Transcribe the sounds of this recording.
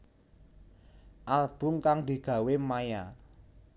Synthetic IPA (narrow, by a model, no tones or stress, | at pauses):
ʔalb̥ʊ̤ŋkaŋd̪̥i̤ɡ̥ä̤wemaja